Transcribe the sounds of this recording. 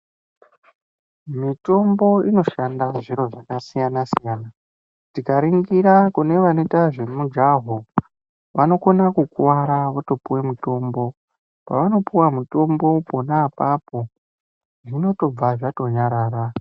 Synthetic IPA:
mito̞mbo̞ino̞ʃandaʐiɾo̞ʐakasijanasijaːna | tikaɾiŋɡiɾakune̞ʋanetaʐe̞mud͡ʒaɦo | ʋano̞ko̞nakukwaɾaʋoto̞puwe̞muto̞mbo̞ | pa̰ʋano̞puwamuto̞mbo̞po̞naːpapo̞ | ʐino̞to̞b͡vaʐato̞ɲaɾaːɾa

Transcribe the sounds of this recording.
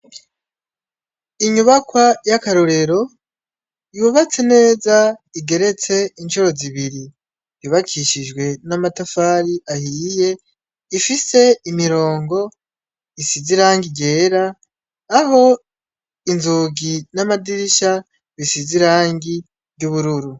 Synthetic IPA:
iɲuβakwajakaɾoɾe̞ɾo̞ | juβat͡se̞ne̞ːzaiɡe̞ɾe̞t͡se̞int͡ʃoɾo̞ziβiɾi | juːβakʰiʃid͡ʒɡwe̞namatafaːɾiʔahiːje̞ | ifise̞imiɾo̞ːŋɡo̞ | isiziɾaːŋɡiɟe̞ːɾaː | ho̞ | inzuɡinamadiɾiʃa | βisiziɾaːŋɡi | juβuɾuɾu

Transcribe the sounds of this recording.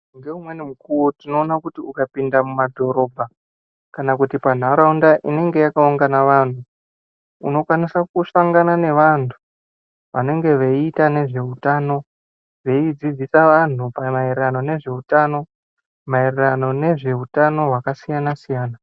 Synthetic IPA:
ŋɡe̞umwe̞nimukuwotino̞ːnakutiukapindamumadʱo̞ɾo̞bʱa | kanakutipan̤aɾaundaʔine̞ŋɡe̞jakauŋɡanaʋan̤u | uno̞kwanisakusaŋɡanane̞ʋantʰu | ʋane̞ŋɡe̞ʋeiitane̞ʐe̞utaːno̞ | ʋe̞id͡zid͡zisaʋan̤upamairerano̞ne̞ʐe̞utano̞ | mairerano̞ne̞ʐe̞utano̞ɦwakasijanasijaːna

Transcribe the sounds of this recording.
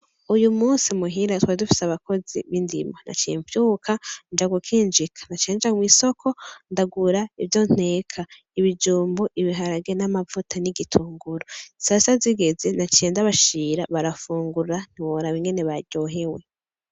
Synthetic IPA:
ujumuːnsimuɦiɾatwadufi̥saβako̞zḭβindḭmana̰t͡ʃḛːɱvjuːkʰand͡ʒaɡukʰiːnd͡ʒikʰḁnat͡ʃeːnd͡ʒamwiːsokʰo̞ndaɡuɾaivjo̞n̥e̞ːkʰa | iβid͡ʒuːmboʔiβiɦaɾaɡenamavutʰaniɡitʰuːŋɡuɾosasaziɡe̞ze̞nat͡ʃeːndaβaʃiːɾaβaɾafuːŋɡuɾan̥iβoɾaβiŋɡe̞ne̞βaɟo̞ɦe̞we

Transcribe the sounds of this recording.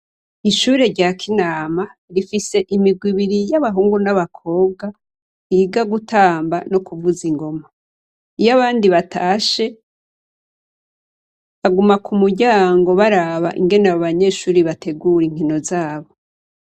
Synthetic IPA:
iʃuːɾe̞ɾɟaːkʰinaːmaɾifise̞ʔimiɡwiβiɾijaβaɦuːŋɡunaβakʰo̞ːb̚ɡa | iɡaɡutʰaːmbano̞kuvuziŋɡo̞ma | ijaβaːndiβatʰaːʃe̞ | βaɡumakʰumuɟaːŋɡo̞βaɾaβa̰ʔḭŋɡe̞naβoβaɲe̞ːʃuːɾiβatʰe̞ɡuɾiŋ̥hino̞zaːβo̞

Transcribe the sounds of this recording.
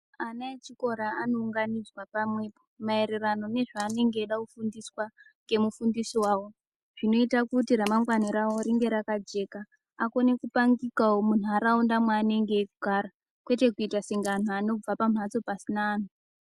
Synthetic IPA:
anaet͡ʃiko̞ɾaano̞uŋɡanid͡zwapamwe̞pomae̞ɾerano̞ne̞ʐaːne̞ŋɡe̞ːɗakufundiswa | ŋɡe̞mufundisiwaːwo̞ | ʐ̥ino̞itakutiɾamaŋɡwaniɾawo̞ɾiŋɡe̞ɾakad͡ʒe̞ka | ako̞ne̞kupaŋɡikaomun̤uaɾaundamwaːne̞ŋɡe̞ːkuɡʱaɾa | kwe̞te̞kuitasiŋɡan̤oano̞b͡vapam̤at͡so̞pasinaːn̤u

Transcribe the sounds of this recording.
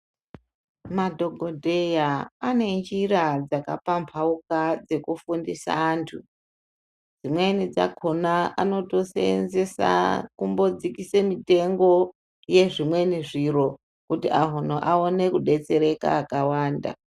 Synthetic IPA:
madʱo̞ɡʱodʱe̞jaane̞nd͡ʒirad͡zaka̰pampʰaukad͡ze̞kufundisa̰ːntʰu | d͡zimwe̞nid͡za̰kʰonaano̞to̞seḛnze̞sa̰kumbo̞d͡zikisemite̞ŋɡo̞ | je̞ʐimwe̞niʐiɾo̞ | kutiʔaɦon̤oʔaone̞kuɗe̞t͡se̞ɾe̞ka̰ːkawaːnda̰

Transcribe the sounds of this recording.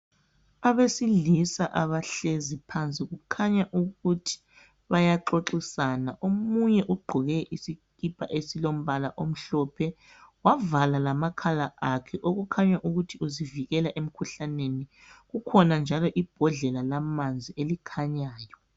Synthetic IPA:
aβesilisaʔaβaɬezipʰant͡sʼiɣukʰaɲaʔuɣutʰi̥ | βajaǁoǁisanaʔomuɲɛʔuɡ͡ǃʱɔɣɛʔisikipʰʼaʔesilom̩βalaʔom̩ɬɔpʰɛ | wavalalamakʰalaʔakʰɛʔoɣukʰaɲaʔuɣutʰiuziviɣɛlaʔem̩kʰuɬaneni | ɣukʰɔnand͡ʒʱalɔʔib̥ʱɔɮɛlalamand͡zʱielikʰaɲaːjɔ

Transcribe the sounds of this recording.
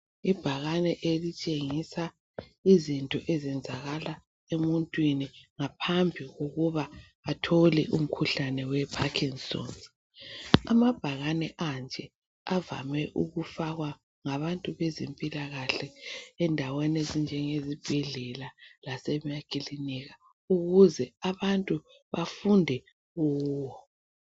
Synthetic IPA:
ib̥ʱaɣanɛʔelit͡ʃʼeŋisa | izintʼɔʔɛzɛnd͡zʱaɣala | emuntʼwiniŋapʰambʱiɣoɣuβa | atʰolɛʔum̩kʰuɬanɛwɛpʰakʰiŋsɔ̰ns | a̰mab̥ʱaɣanɛʔand͡ʒʱɛ | ava̰mɛʔuɣufaɣwa | ŋaβantʼuβɛzempʼilaɣaɬɛɛndʱawɛnezind͡ʒʱɛŋezib̥ʱɛɮɛlalasɛmiakʼiliniɣa | uɣuzɛaβantʼu | βafundʱɛ | ɣuːwɔ

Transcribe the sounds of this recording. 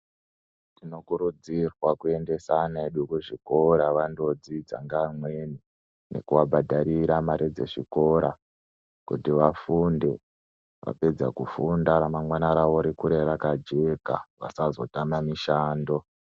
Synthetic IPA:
tino̞kuɾud͡zirwakue̞nde̞saneeɗukuʐiko̞ɾaʋando̞d͡zid͡za̰ŋɡamweni | ne̞̰kuʋabʱadʱaɾiɾamaɾʔid͡ze̞̰ʐḭko̞ɾa | kutiʋafunde̞ | ʋa̰pe̞d͡zakufundaɾamaŋwanaɾaʋo̞ɾikuɾe̞ɾakad͡ʒe̞ka̰ʋa̰sazo̞tamamiʃaːndo̞

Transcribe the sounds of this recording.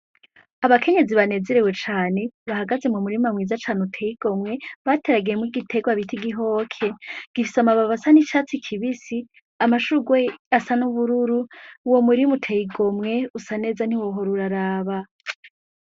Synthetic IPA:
aβakʰe̞ɲe̞ziβane̞zeɾewe̞t͡ʃaːne̞βahaɡaze̞mumuɾimamŋiːzat͡ʃanutʰeiɡ̥o̞mŋe̞βatʰe̞ɾaɡijemuɾiɡitʰe̞ɡwaβitʰiɡiɦo̞ːkʰe̞ɡ̥ifi̥samaβaβasanit͡ʃaːt͡sikʰiβisi | amaʃuɡwe̞asanuβuɾuɾuwomuɾimutʰejiɡo̞mŋe̞usane̞ːzan̥iwo̞ɦo̞ɾuɾaɾaːβa

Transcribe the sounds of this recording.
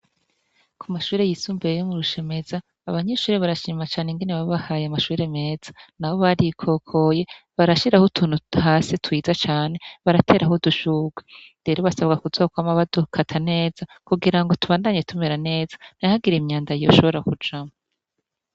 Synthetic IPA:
kʰumaʃuːɾe̞jisuːmbeejomuɾuʃe̞me̞z̥aː | βaɲeʃuːɾeβaɾaʃiːmat͡ʃaːne̞ŋɡe̞neβaββahaːjamaʃuːɾe̞me̞ːz̥anaβo̞βaɾikʰo̞kʰo̞je̞ | βaɾaʃiɾahotʰuːn̥huhaːsitwiːzat͡ʃaːne̞βaɾatʰe̞ːɾaɦoduʃuːɡwede̞ɾoβasaβɡakuzoːkwamaβad̥ukʰatʰane̞ːz̥akuɡiɾaŋɡo̞tuβaːndaɲe̞tumeɾane̞ːz̥ḁn̥aahaɡiɾemɲaːndaijo̞ʃo̞βo̞ɾakud͡ʒama

